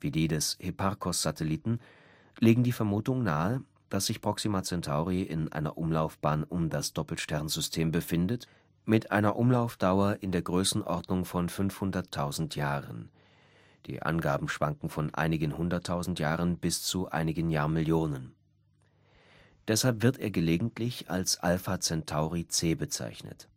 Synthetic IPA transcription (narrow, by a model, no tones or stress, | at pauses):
v̥iːdiːdɛshepʰaʁkʰɔsz̥atʰɛliːtn̩ | leːɡŋ̩diːfɛɐmuːtʊŋnaːə | d̥asz̥ɪçpʁ̥ɔksimat͡sɛntʰaʊʁiʔɪ̰nʔa̰ɪnɐ̰ʔʊmlaʊfb̥aːnʔʊmdasd̥ɔpl̩ʃtɛɐnzʏstʰeːmbəfɪndət | mɪtʔa̰ɪnɐʔʊmlaʊfd̥aʊɐʔɪndeːɐɡʁøːsn̩ʔɔʁdnʊŋfɔnfʏnfhʊndɐtʰːaʊzn̩tʰjaːʁə̰n | d̥ḭːʔa̰nɡaːbm̩ʃv̥aŋkŋ̩fɔnʔa̰ɪnɪɡənhʊndɐtʰːaʊzn̩tjaːʁənb̥ɪst͡suʔa̰ɪnɪɡənjaːɐmɪljoːnən | d̥ɛshalpv̥ɪɐteːɐɡəleːɡŋ̩tʰlɪça̰lsʔa̰lfat͡sɛntʰaʊʁit͡seːbət͡sa̰ɪçnə̰t